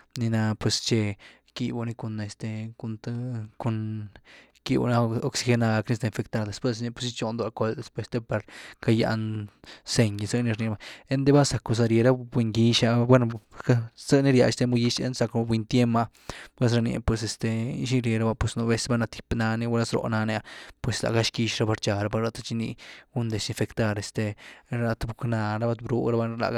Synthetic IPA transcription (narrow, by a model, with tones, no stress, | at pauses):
ni˧na˧pwe˧st͡ʃe˧ | ki˧bu˧ni˧ku˧ne˧st̪e˧ku˧nt̪ku˧n | ki˧bṵ˧na˧o˧ksi˧xe˧na˧ɡa˧kni˦st̪e˧˨nfe˧kt̪a˧ɾd̪e˧spwe˧s̬ni˧pe˧si˧t͡ʃo˧nd̪a˧ko˧ld̪e˧spwe˧˦st̪e˧pa˧ɾka˧ja̰˧nse˧ɲ˧sɨ˦˧ni˧ɾni˧ba˧e˦nd̪e˦ba˦sa˨ko˧s̬a˧ɾje˧ɾa˦be˧ŋɡi˧ʃa˧bwe˦no˧ka˦z̥ə˦ni˦ɾja̰˧ʔe˨st̪e˧mu˧ji˧˦ʃḛ˦nsa˧kbʷwi˧nt̪je˦ma˧ | bʷs̬ɾa˧nḭ˧pwe˧s̬e˧st̪e˧ḭ˦˧ʃi˦ɾje˧ɾa˦ba˧pwe˧sno˧be˧se˦ba˦na˧t̪i̥˨pna˧ni˧wa˦la˦sɾo̰˧˨na˧nja˧pwe˨sla̰˨ɡa˦ʃki˧ʃɾa˦ba˧ɾt͡ʃa˧˨ɾa˦pa˧ɾa˧t̪a˧t͡ʃi˧nḭ˧ɡu˦nd̪e˨ʃi˧nfe˧kt̪a˧ɾe˨st̪e˧ɾa˧t̪bu˧kna˧ɾa˦ba˧t̪bɾu˦ɾa˦ba˧la̰˨